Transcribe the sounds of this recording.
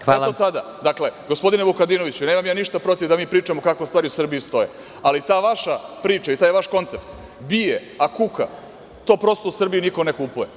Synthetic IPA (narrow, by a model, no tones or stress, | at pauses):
xalot̪ad̪ad̪akle̞ɡospo̞d̪ine̞bukad̪ino̞ʋit͡ɕuneːmamjaːniʃt̪apɾo̞t̪iʋd̪amiːpɾiːt͡ʃamokakost̪vaːɾiusr̩biist̪o̞jḛ | alit̪aːʋaʃapɾiːt͡ʃait̪aːjeʋaʃko̞nt̪se̞pt̪ | bije | akuka̰ | t̪o̞ːpɾo̞st̪ousr̩bijiniko̞nekupuje̞